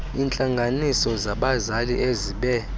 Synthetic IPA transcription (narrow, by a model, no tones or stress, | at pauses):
iːnt͡ɬʼaŋɡʱanisɔzaɓazaliʔeziɓɛ